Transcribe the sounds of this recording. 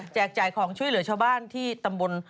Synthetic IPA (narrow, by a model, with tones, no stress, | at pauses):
k̚t͡ɕɛː˨˩k̚t͡ɕaː˨˩jkʰɔː˩˦ŋt͡ɕʰu˥˩əlɯ˩˦ɐt͡ɕʰaː˧wbaː˥˩nt̪ʰiː˥˩t̪a˧mbo˧n